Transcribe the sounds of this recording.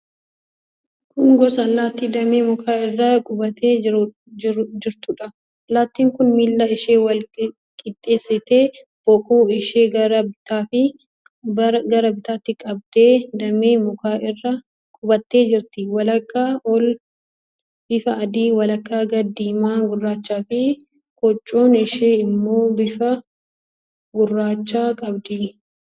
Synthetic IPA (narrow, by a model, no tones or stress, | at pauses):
kʊŋɡɔsɐːlːaːt̪ːiːd̪ɐmeːmɔkʰaːɪrːɐkʼʊbɐt̪eː | d͡ʒɪɾt̪ʊᶑɐ | ɐlːaːt̪ːiːŋkʊnmiːlːaɪʃeːwɐl | kʼɪt̪ʼːe̞ːsːɪt̪e̞ːb̥ɔkʼoːɪʃeːɡɐɾɐbɪt̪aːfɪ | ɡɐɾɐbɪt̪aːt̪ːɪkʼɐb̚d̪e̞ːd̪ɐmeːmʊkaːʔɪrːɐ | kʼʊbɐt̪ːe̞ːd͡ʒɪɾt̪ɪwɐlɐkːaːʔɔl | bɪfɐɐd̪iːwɐlɐkːaːɡɐd̪ːiːmaːɡʊrːaːt͡ʃːaːfɪ | kʼɔt͡ʃʼːoːnɪʃeːɪmːo̞ːbɪfɐ | ɡʊrːaːt͡ʃːaːkʼɐbd̪ɪ